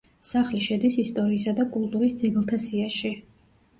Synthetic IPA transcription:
saχliʃɛd̪isist̪ʼɔɾiːsad̪akʼulˠt̪ʼuɾisd̪zɛɡlˠt̪ʰasiaʃi

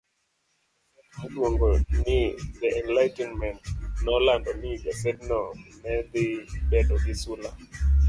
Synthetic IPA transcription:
adwoŋɡɔnɪd̪ɛɛnlajtɛnmɛntnɔlandɔniɡasɛdnɔnɛd̪ɪbɛdɔɡɪsula

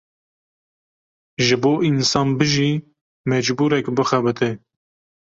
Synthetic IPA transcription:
ʒɨboːʔinsɑːnbɨʒiː | mɛd͡ʒbuːɾɛkbɨxɛbɨt̪ʰɨ

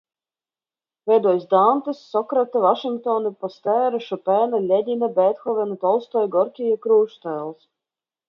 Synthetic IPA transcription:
vʲɛjd̪uɔjsd̪ant̪ɨsːɔkɾat̪ɨvaʃiŋk̚t̪ɔnɨpɔst̪ɛːɾɨʃupɛːnalʲɛd̪ʲinabɛt̪xɔvʲɛnut̪ɔlˠst̪ɔjɡɔɾkʲijakɾuːʃt̪ɛːlˠs

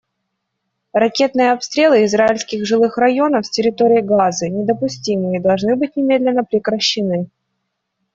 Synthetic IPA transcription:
rɐkʲe̞t̪nɨjəɐpst̪ɾʲe̞lˠɨɪzɾaɪlʲsʲkʲɪɣʐɨlˠɨxrɐjo̞nəfsʲtʲɪɾʲɪt̪o̞ɾʲɪːɡazɨnʲɪd̪əpʊsʲtʲimɨid̪ɐlˠʐnɨbɨtʲnʲɪmʲe̞d̪lʲɪnːəpɾʲɪkɾəɕːɪnɨ

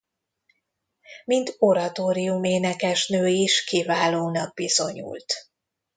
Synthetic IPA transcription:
mint̪o̞ɾɒt̪oːɾijumeːnɛkɛʃnøːiʃkivaːloːnɒɡ̚bizo̞ɲṵːlt̪

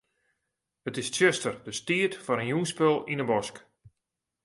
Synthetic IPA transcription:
hətɪst͡ʃɛstərdəstiətfɔnənjunspølˠinəbɔsk

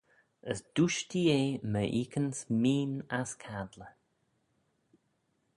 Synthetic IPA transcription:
əsd̪̥uʃdijeːməʔiːkʰənsmiːnaskʰad̪lə

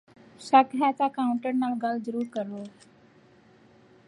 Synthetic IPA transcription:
ʃəkɦɛːt̪aːkaːʊ̃ɳʈəɾnaːlɡəlzəɾuːɾkəɾoː

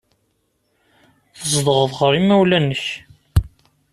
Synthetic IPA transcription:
θəzˤd̪əʁəðʁəɾˤimːæwlænːəç

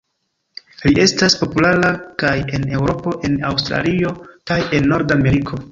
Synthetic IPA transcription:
liʔe̞staspo̞pulaɾakaje̞ne̞wɾo̞po̞ʔe̞nawstɾa̰lio̞kaje̞nːo̞ɾdame̞ɾikʰo̞

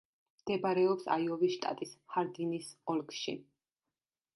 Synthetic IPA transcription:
md̪̥ɛbaɾɛɔpsa̰jɔvisʃt̪ʼa̰t̪ʼishaɾd̪inisɔlˠɡʃḭ

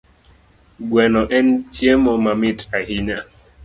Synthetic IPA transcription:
ɡwɛnɔʔɛn̩t͡ʃjemɔmamitʰaɦiɲa

